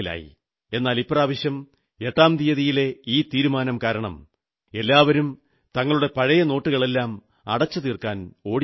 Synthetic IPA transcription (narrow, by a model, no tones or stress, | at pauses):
la̰ːjḭ | e̞nːaːlipːraːʋɐɕjɐm | e̞ʈːaːmd̪ijɐðijile̞iːt̪iːɾumaːnɐmkaːɾɐɳɐ̰m | e̞lːaːʋɐɾum | t̪ɐŋːɐɭuɽe̞pɐɻɐjɐno̞ːʈːuɣɐɭe̞lːaːm | ɐɽɐt͡ɕːɐðiːrkaːno̞ːɽ